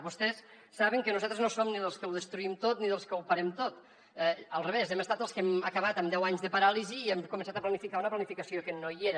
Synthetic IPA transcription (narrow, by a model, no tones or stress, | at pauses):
βust̪ɛsː | aβəŋkənuzat̪ɾznosomniðəlˠskəwðəst̪ɾuimt̪ot̪̚niðəlˠskəwpəɾɛmt̪ot̪ | ɛəlˠreβezɛməst̪at̪əlˠskɛməkəβ̞at̪əmd̪ɛwaɲzðəpəɾaliziːɛmkumẽnsat̪əplənifikaunəplənifikəsiokənojeɾə